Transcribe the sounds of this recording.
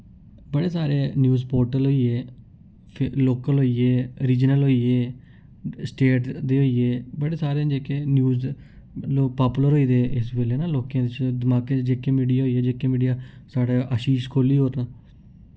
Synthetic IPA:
bəɽeːsaːɾeːnjuːzpoːɾʈəlɦoːiːeː | loːkəlɦoːiːeːɾiːd͡ʒnəlɦoːiːeː | sʈeːʈd̪eːɦoːiːeːbəɽeːsaːɾẽd͡ʒeːkenjuːz | loːpaːpuləɾɦoːiːd̪eːɪsbeːleːnaːloːkãːd̪ɪt͡ʃʰd̪ɪmaːkẽd͡ʒeːkeːmiːɖijaːɦoːiːeːd͡ʒeːkːẽmiːɖijaːsaːɽeːʔaʃiːʃkʰoːliːɦoːɾnaː

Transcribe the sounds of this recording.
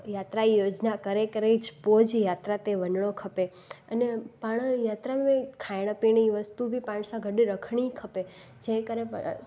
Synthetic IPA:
jat̪ɾajod͡ʒnakəɾekəɾet͡ʃpod͡ʒjat̪ɾat̪eʋənɳokʰəpe | ənepaɳ̃jat̪ɾaẽkʰajɽ̃əpiɳiʋəst̪ubʱipãɳsãɡʱəɖiɾəkʰɳ̃ikʰəpe | d͡ʒẽkəɾḛ

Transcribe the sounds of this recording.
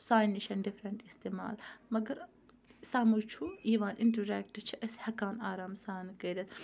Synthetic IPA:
saːjnːiʃɐnɖifɾɐɳʈist̪ema̰ːlmɐɡɐɾ | saːmut͡ʃʰuiːʋaːnʔinʈɐɾɛːk̚ʈt͡ʃʰɐʔɐshɐkaːnaːɾaːmsaːnɨkeɾɐt̪̚

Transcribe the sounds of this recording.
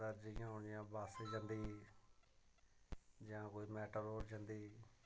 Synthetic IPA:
əɾd͡ʒɪjãːɦʊnɪjãːbaːseːd͡ʒãːnd̪iː | d͡ʒãːkoːiːmɛːʈəɾoːɾd͡ʒãːnd̪iː

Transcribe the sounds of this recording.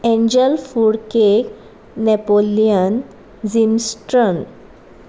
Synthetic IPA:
ẽɲd͡ʑəlfuɽkek | nɛpolijən | d͡zimsʈɾən

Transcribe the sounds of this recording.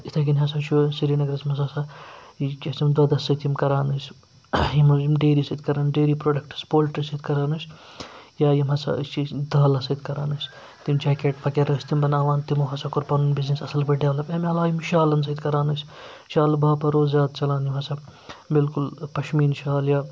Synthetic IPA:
it̪ʰɐɡinɦɐs̬ɐt͡ʃʰusiɾiːnɐɡɾɐsmɐsasa | t͡ʃʲit̪imd̪ɐd̪ɐsɐt̪imkɐɾaːnɨs | jimmɖeːɾisɐd̪̚kɐɾaːnɖeːɾiːpɾoːɖɐk̚ʈɨ̥spoːlʈɐsɐd̪kɐɾaːnɨs | jaːjimɐsa̰ɨst͡ʃid̪ɐːlɐsɐid̪̚kɐɾaːnɨs | t̪imt͡ʃʰɐːkeːʈpʰɐkeɾɐːsʲt̪imbɐnaːʋaːnt̪imoɦɐsɐkʊɾpɐnunbiznisɐsɐlpɐɖjaːlɐpɐmʲɐlaːjimʃaːlɐns̬ɐd̪kɐɾaːnɨsʲ | ʃaːlbaːpɐɾoːzzjaːd̪t͡ʃɐlaːnjimɐsɐbilkulpɐʃmiːnʃaːljaː

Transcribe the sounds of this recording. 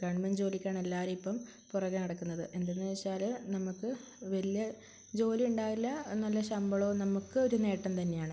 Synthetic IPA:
kɐɳmɐnd͡ʑo̞ːlikʲːaːɳelːaːɾumipːɐm | purɐɣːɐnɐɽɐkːunːɐðɨʔe̞nd̪enːɨʋɐɕaːlnɐmukːɨ | ʋɐlijɐ | d͡ʑo̞ːliuɳɖaːʋilːɐnɐlːɐɕɐmbɐɭo̞ːnɐmukːɨo̞ɾune̞ːʈːɐnt̪ɐnːe̞jaːɳɨ

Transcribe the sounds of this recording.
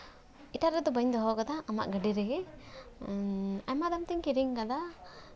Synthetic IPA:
iʈaɾɛd̪ɔbəɲd̪ɔɦɔɡad̪aːma̰ʔɡəɖiɾɛɡɛ | ajmad̪amt̪iŋkiɾiŋɡad̪a

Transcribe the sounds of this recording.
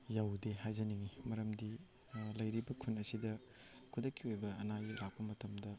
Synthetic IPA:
jawdeɦajzɐniŋimɐɾɐmdi | lɐjɾibɐkʰunɐsidɐ | kʰudɐkːiojbɐɐnajlak̚pɐmɐtɐmdɐ

